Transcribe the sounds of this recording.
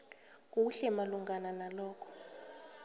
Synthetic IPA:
k̬uɬɛmaluŋɡananalɔːkʰɔ̥

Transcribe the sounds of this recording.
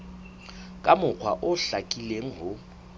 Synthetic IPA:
kʼamʊq͡χʰwa̰ʔʊɬakʼileŋ̩ɦʊ

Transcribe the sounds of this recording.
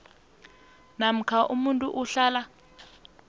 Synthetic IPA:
nam̩kʰaʔumuntʼuʔuɬaːla

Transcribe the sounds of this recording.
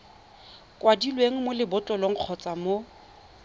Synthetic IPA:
kʼwadilweŋ̩molɪbʊt͡ɬʼɔloŋ̩q͡χʰɔt͡sʼamo

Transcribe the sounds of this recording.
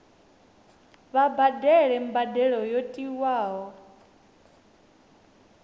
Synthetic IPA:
βabadɛɺɛmbadɛɺɔjɔtʼiwaːɦɔ

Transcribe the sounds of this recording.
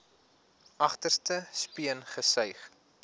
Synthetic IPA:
ʔɐχtərstəspiənχəsœjχ

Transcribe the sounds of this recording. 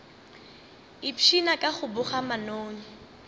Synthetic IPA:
ɪpʰinakʼaχʊbʊχamanoːɲi

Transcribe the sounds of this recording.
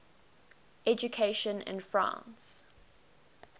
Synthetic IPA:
ɛd͡ʒukʰeɪʃə̃nɪ̰̃nfɹã̰ˑns

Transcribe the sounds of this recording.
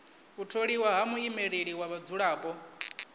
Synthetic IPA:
utʰoɺiwaɦamuimeɺeɺiwaβad͡zuɺaːpʼɔ

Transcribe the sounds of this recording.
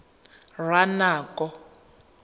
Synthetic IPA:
rwanaːkɔ

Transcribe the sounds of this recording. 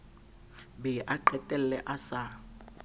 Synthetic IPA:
bɛʔaǃɛtʼɛl̩lɛʔasa

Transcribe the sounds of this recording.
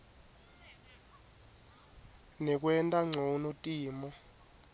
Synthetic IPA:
nɛk̬wɛntʼaŋ͡ǀʱonotʼiːmɔ

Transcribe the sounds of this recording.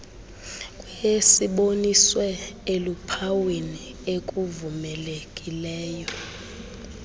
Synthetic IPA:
kʼwesiɓoniswɛelupʰawini | ekʼuvumɛlekʼilɛːjɔ

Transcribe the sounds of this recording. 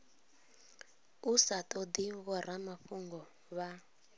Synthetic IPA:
usatʼɔd̪iɣɔɾamaɸuŋɡɔ | βa

